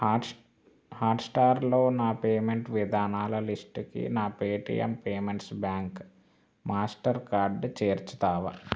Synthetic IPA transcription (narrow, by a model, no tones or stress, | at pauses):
haːʈsʈaːɾlo̞ːnaːpeːmeɳʈʋid̪ʱaːnaːlɐlisʈkḭnaːpeːʈḭjḛmpeːmeɳʈsbjaːŋk | maːsʈɐɾkaːɾɖt͡ʃeːɾt͡ʃu̥t̪aːʋɐ